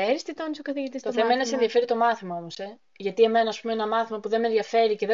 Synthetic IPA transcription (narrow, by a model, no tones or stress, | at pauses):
eɾist̪it̪onisokɐθiʝit̪ist̪oθemɐenɐsenðiɐfe̞ɾit̪o̞mɐθimɐo̞mo̞se̞ | ʝɐt̪ie̞me̞nɐːspumeenɐmɐθimɐpuðe̞nmenðʝɐfe̞ɾice̞ð